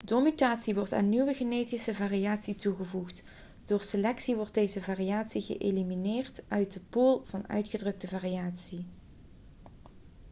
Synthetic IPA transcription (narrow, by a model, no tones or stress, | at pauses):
domytaːtsiʋɔɹta̰ːnːiʋəɣenejtisəvaːriaːtsituɣəvuχt | d̥oːɹselɛksiʋɔɹt̚dejzəvaːriaːtsiɣə̰ʔḛliminɪːrtʔœɥt̚dəpulˠv̥ɑnœ̰ɥtχədrɵk̚təvaːriaːtsi